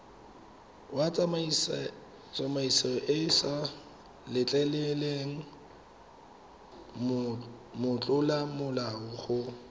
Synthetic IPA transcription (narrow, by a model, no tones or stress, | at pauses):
wa | t͡sʼamaisaʔɪsa | lɪt͡ɬʼɛleleŋ̩ | mʊt͡ɬʼʊlamʊlaʊχʊ